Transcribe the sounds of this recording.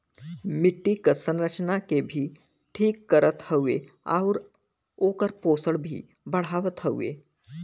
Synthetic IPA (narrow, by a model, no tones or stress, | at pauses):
mɪʈːikəɾsə̃nɾət͡ʃnakebʱiː | ʈʰiːkːəɾət̪həuḛ | a̰ʊɾ | oːkəɾpoːsəɽbʱḭ | bəɽ̤aːʋət̪ɦəṵḛː